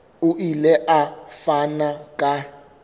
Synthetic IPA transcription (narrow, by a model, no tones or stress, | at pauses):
uʔilɛʔafanakʼa